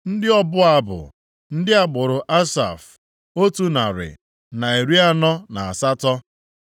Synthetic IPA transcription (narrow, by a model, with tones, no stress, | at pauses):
n̩˦dɪ˦ɔ˦bʊ˦a˦bʊ̰˨ | n̩˦dɪ˦a˨ɡ͡bʊ˨ɾʊ˨ʔa˦sa̰˨f | o˦tu˦na˨ɾɪ̰˨ | na˨e˨ɾi˦a˦nɔ˦na˨a˨sa˦tɔ˦